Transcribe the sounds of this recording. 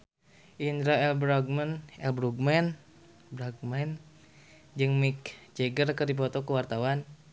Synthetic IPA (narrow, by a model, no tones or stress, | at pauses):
ʔind̪ɾaɛlbɾaɡ̚mənɛlbɾuɡmɛn | bɾaɡ̚mɛn | d͡ʒɨŋmikd͡ʒɛɡərkərdip̬ɔt̪ɔkuwart̪awan